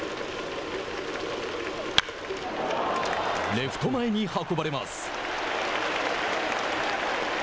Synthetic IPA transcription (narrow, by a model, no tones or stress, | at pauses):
leɸɯ̟̥t̪o̞maeɲ̟ihako̞baɾe̞ma̰sɨ̥